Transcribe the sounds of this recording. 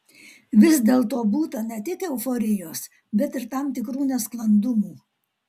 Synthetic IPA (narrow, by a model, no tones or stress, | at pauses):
ʋʲɪsd̪ʲeːlˠt̪oːbuːt̪ɐnʲɛt̪ʲɪkɛʊfoːɾʲɪjoːs | bʲɛt̪ɪɾt̪ɑˑmt̪ʲɪkɾuːnʲɛsklˠɐnd̪ʊmuː